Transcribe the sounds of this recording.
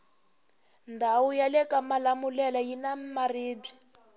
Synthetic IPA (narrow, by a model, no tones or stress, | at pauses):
ndʱawujalɛkamalamulɛlajinamariːbi